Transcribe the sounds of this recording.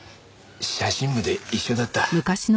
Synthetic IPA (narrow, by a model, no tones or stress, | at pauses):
ɕaɕĩmːɯ̟d̪eiɕːo̞d̪at̪ːamɯ̟kaɕin